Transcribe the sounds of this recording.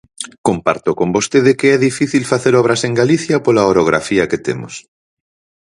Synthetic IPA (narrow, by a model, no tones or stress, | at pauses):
kompa̰ɾt̪ʊkombost̪eðɪkeɛðifiθilfaθeɾɔβ̞ɾɐseŋɡaliθjɐpolaoɾoɣɾa̰fiɐket̪emʊ̰s